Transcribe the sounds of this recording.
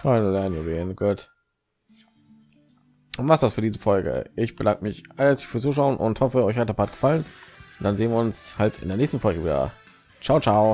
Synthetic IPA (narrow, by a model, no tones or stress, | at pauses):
faɪnlɛɐnənjuveːnɡ̥uːt | maχtvasfyːɐdiːzəfɔlɡə̰ʔɪçb̥ədaŋkəmɪçʔaɛɐsɪçfyːɐt͡suːʃaʊənʔʊ̰nthɔfəɔʏçhat̚epʰaːt̚ɡ̥ə̥falənʊnd̥anzeːənviɐʊnshaltɪndeːneːçstn̩fɔlɡəviːdɐ̰ | t͡ʃaʊt͡ʃaʊ